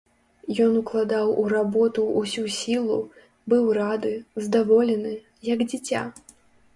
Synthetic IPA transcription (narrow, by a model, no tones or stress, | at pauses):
jɔnuklˠad̪awuɾabɔt̪uːsʲusʲilˠṵ | bɨwrad̪ɨzd̪avɔlʲɛnɨ | jɐɡd͡zʲit͡sʲa̰